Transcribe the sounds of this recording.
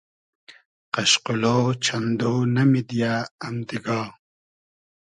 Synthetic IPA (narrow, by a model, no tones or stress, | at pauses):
qɐɕquloːt͡ɕʰɐnd̪oːnɐmid̪jaːmd̪iɡɑː